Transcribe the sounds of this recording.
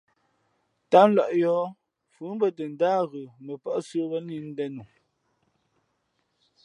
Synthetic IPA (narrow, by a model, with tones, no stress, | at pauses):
ta˦n̩˦lɔ˨ʔjɔː˨˦ | fʉ˨˦m˦bə˦tə˨n̩˨daː˦ɣə˨mə˨pɔ˦ʔsə˦wə˦ni˦n̩˦dɛ˦nu˨